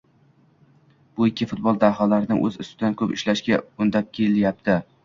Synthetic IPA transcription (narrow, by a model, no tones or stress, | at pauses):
b̥ʊɪkʲːɪfʊt̪̚bɒlˠd̪ahalaɾɪnɪ̰ʔɵ̰zʊ̰st̪ɪd̪ankʰɵpɪʃlaʃkʲaʊnd̪ap̚kʲʰeljap̚t̪ʰɪ